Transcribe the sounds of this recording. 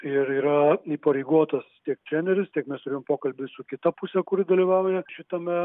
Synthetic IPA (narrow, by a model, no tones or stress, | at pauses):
ɪɾiːɾɐiːpɐɾʲɛɪɡuɔt̪ɐst̪ʲiɛk̚t̪ʲɾʲæːnʲɛɾʲɪst̪ʲiɛkmʲɛst̪ʊɾʲeːjompoːkɐlʲbʲɪsʊkʲɪt̪ɐpusʲɛkʊɾʲɪd̪ɐlʲiːʋɑːʋʊjɛʃʲɪt̪ɐmʲɛ